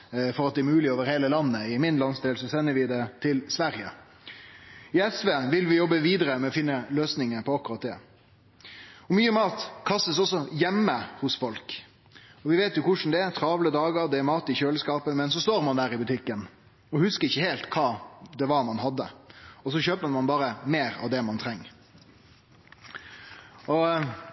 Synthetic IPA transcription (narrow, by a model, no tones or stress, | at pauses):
fɔɾɑt̪̚d̪ɛːɾmʉːlɪoːʋəɾheːləlɑnːəɪmɪnlɑnsd̪eːlsɔsɛnːəɾʋɪd̪ɛt̪ʰɪlsʋæɾjə̰ | ɪɛsʋeːʋɪlʋɪjɔbːəʋiːd̪əɾəmɛɔfɪnːəløːsnɪŋəpʰɔɑkːʉɾɑt̪̚d̪ɛ̰ː | ɔmyːəmɑːt̪kʰɑst̪əsɔsːɔjɛmːəhʊsfɔlk | ɔʋɪʋeːt̪jʊkʊʂn̩d̪ɛɛɾt̪ʰɾɑːʋləd̪ɑːɡəɾd̪ɛɛɾmɑːt̪ɪçøːləskɑːpəmɛnsɔst̪oːɾmɑnd̪æːɾɪbʉt̪ʰɪkːən | ɔhʉskəɾɪçːəheːlt̪kʰɑːd̪ɛʋɑɾmɑnhɑd̪ːə̰ɔs̬ɔçøːpəmɑnbɑːɾəmeːɾɑ̰ʋd̪ɛmɑnt̪ʰɾɛŋːə | ɔ